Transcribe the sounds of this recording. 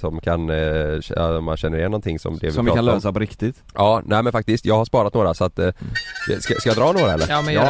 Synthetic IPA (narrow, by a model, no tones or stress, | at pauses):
sɔmkʰan | ɔmːa̰nɕɛnːəɾɪjɛnːɔnt̪ʰɪŋːsɔ̰md̪ɛ̰vɔanløːsapɔɾɪkt̪ɪt̪ | ʔɑːnʔæːmɛnfakt̪ɪskt̪jɑːɡhaʂpɑːɾat̪noːɾasɔat̪ː | skaskajɑːd̪ɾɑːnoːɾaɛlːə